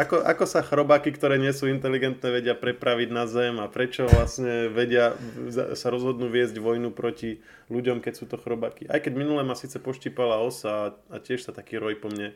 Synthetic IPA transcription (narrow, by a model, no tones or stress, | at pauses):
ʔakɔʔa̰kɔsaxɾɔbakikt̪ɔɾɛːɲɪɛsuːint̪ɛliɡɛnt̪nɛːʋɛɟɪapɾɛpɾaʋiɟnazɛmapɾɛt͡ʃɔʋlasɲɛʋɛɟɪa̰ | saɾɔzɦɔd̪nuːʋɪɛzɟʋɔjnupɾɔci | luɟɔmkɛcsuːt̪ɔxɾɔbakiʔa̰jkɛɟminulɛmasiːt͡sɛpɔʃciːpalaɔsaːacɪɛʃsat̪akiːɾɔjpɔmɲɛ